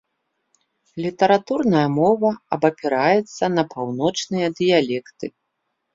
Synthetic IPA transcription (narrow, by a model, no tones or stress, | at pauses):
lʲit̪ɐɾat̪urnɐjɐmɔvɐɐbɐpʲɛɾajɛt̪sːɐnɐpʰawnɔt͡ʂnɨjɐd̪ɨjalʲɛkt̪ɨ